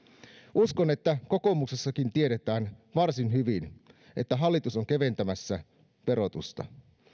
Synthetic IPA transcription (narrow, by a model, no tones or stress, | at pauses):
ʔuskone̞t̪ːæko̞ko̞mukse̞sːɑkint̪ieɾet̪æːnʋɑrsinɦyʋin | ʔe̞t̪ːæɦɑlːit̪usoŋkeʋe̞nt̪æmæsːæ | pe̞ɾo̞t̪ust̪ɑ̰